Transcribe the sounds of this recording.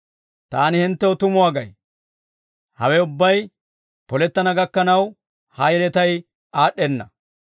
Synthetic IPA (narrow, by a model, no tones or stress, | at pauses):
t̪aːnɪhɪnt̪ːɛɔt̪ʊmʊwaːɡɐj | hɐ̰wɛʊbːɐj | pɔlɛt̪ːɐnɐɡɐkːɐnɐw | hɐjɛlɛt̪ɐj | aːɗːɛnːɐ